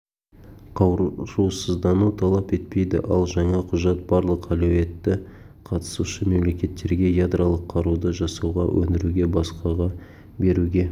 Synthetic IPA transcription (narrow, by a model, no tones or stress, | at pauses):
qʰɑwʒusəzd̪ɑnut̪ʰɑlˠɑpe̞t̪̚pe̞jd̪ɪ̰ʔɑlˠʒɑɴɑqʰʊʒɑt̪̚bɑɾlˠəqælowe̞t̪ːɪ | qʰɑt̪ə̥suʃəme̞mle̞kʲe̞t̪ːe̞ɾɡʲe̞jad̪ɾʔalˠəqʰːɑɾud̪əʒɑsɑwʁɑ̰wʔɵ̰nd̪ɪɾuɡʲe̞bɑsqɑʁɑ | be̞ɾuɡʲe̞